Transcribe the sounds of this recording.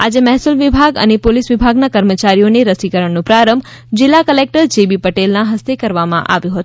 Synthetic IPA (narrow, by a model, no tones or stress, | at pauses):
ad͡ʒemɛɦsulʋibʱaɡə̰nepolisʋibʱaɡnakəɾmət͡ʃaɾijoneɾəsikəɾəɳnõpɾaɾəmb | d͡ʒɪlːakəlek̚ʈəɾd͡ʒebipəʈelnaɦəst̪ekəɾʋamã̰ʔa̰ʋjũɦət̪u